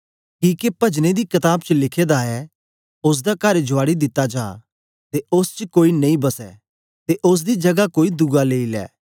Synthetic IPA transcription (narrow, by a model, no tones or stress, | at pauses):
kiːkepɐd͡ʒned̪ikɐt̪aːbt͡ʃəlɪkʰeːd̪aɦɛ | ʊs̬d̪akɐɾd͡ʒʊaːɽid̪ɪt̪ːad͡ʒa̰ː | t̪eʊst͡ʃəkoːinɐ̃ĩbɐsɛ̰ː | t̪eʔʊs̬d̪id͡ʒɐɡakoːid̪ʊɡaleːilɛ̰ː